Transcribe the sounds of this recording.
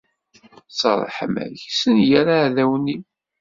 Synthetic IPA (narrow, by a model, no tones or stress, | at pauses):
sˤɑ̰ɾˤə̰ħə̰mæ̰çsənjæɾaʕðæwni